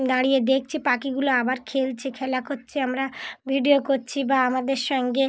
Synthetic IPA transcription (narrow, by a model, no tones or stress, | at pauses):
d̪aɽijed̪ek̚ʰt͡ɕʰipakiɡuloabaɾkʰelt͡ɕʰekʰɛlakoɾt͡ɕʰeamɾabʱiɖiokoɾt͡ɕʰibaamad̪eɾʃɔŋɡe